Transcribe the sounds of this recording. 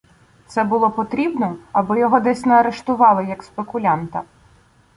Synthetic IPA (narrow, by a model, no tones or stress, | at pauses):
t̪sɛbʊlˠɔpɔt̪ɾʲibnɔɐbɪjɔɦɔd̪ɛsʲnɛɐɾeʃt̪ʊʋɑlˠɪjɐkspekʊlʲɑnt̪ɐ